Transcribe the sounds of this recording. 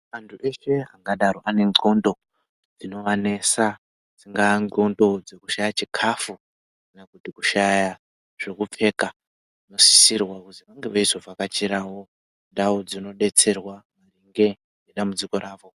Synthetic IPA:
antʰuʔe̞ʃe̞aŋɡaɗaɾoʔane̞ŋ͡ǃondo̞ | d͡zino̞ʋane̞sa | d͡ziŋɡaŋŋ͡ǀondo̞d͡ze̞kuʃajat͡ʃikʰafu | kanakutikuʃaja | ʐ̥e̞kup͡fe̞ka | ino̞si̥sirwakud͡ziʋaŋɡeʋaizovakat͡ʃiɾawo̞ | ndaud͡zino̞ɗe̞t͡se̞rwamariŋɡe̞ | neɗamud͡ziko̞ɾaːʋo̞

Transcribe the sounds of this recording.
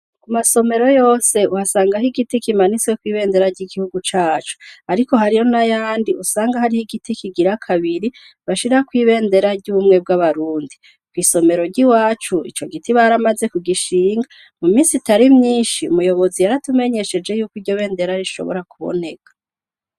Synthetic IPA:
kumaso̞me̞ɾo̞jo̞ːse̞uhasaːŋɡaɦiɡitikimanit͡swekwiːβe̞ːnde̞ɾaɾɟiːɡihuɡut͡ʃaːt͡ʃu̥aɾiko̞haɾijo̞najaːndiusaːŋɡahaɾihiɡitikiɡiɾakʰaβiɾi | βaʃiɾakwiːβe̞ːnde̞ɾaɾɟuβumŋe̞b̚ɡaβaɾuːndi | kwiːso̞me̞ɾo̞ɾɟiwaːt͡ʃuḭt͡ʃo̞ɡitiβaɾamaze̞kuɡiʃiːŋɡa | mumiːnsitaɾimɲiːnʃiṵmujo̞βo̞zijaɾatume̞ɲe̞ʃe̞d͡ʒe̞juːkiɾɟo̞βe̞ːnde̞ɾaɾiʃo̞̰βo̞̰ɾakuβo̞̰ne̞kḁ

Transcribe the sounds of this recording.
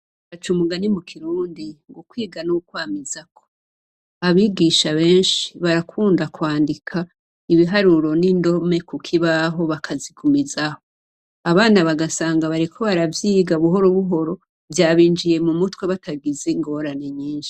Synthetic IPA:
βat͡ʃumuɡanimukʰiɾuːndiŋɡokwiːɡanukwaːmizakʰo̞̥ | aβiɡiːʃaβe̞ːnʃi̥βaɾakʰuːndakwaːndikʰa | iβiɦaɾuɾo̞nindo̞me̞kukʰiβaɦo̞βakʰazikʰumizaho̞ | aβaːnaβaɡasaːŋɡaβaɾikʰo̞βaɾavjiːɡaβuɦo̞ɾoβuɦo̞ɾo̞ | vjaːβiːnd͡ʒije̞mumutweβataɡizeŋɡo̞ɾane̞ɲiːnʃi̥

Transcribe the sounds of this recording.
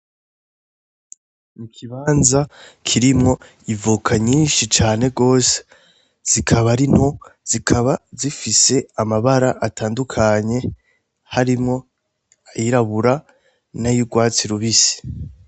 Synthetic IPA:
mukʰiβaːnzakʰiɾimŋo̞ | ivukʰaɲiːnʃit͡ʃaːne̞ɡo̞ːse̥ | z̥ikʰaβaɾino̞z̥ikʰaβazifise̞amaβaɾaʔataːndukʰaɲe̞ | haɾimŋo̞ | ajiɾaβuɾa | najuɡwaːt͡siɾuβisi̥

